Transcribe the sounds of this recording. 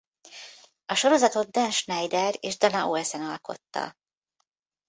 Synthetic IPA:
ɒʃo̞ɾo̞zɒt̪o̞d̪̚d̪ɛnʃnɛjd̪ɛreːʒd̪ɒnɒʔoɛsɛnɒlko̞̰t̪ːɒ̰

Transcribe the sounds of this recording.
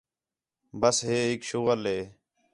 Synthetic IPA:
bəsɦeːɦɪkʃuːɣəlɦeː

